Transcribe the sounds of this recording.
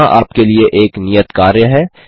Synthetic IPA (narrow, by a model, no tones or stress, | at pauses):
ãʔaːpkelieʔeːknijət̪kaːɾjəɦɛː